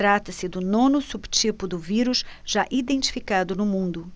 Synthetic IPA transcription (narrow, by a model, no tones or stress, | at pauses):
t̪ɾat̪ɐsɪd̪ʊnõnʊsubt͡ʃipʊd̪ʊviɾuʃʒ̥aʔid̪ẽnt͡ʃi̥fikad̪ʊnʊmũnd̪ʊ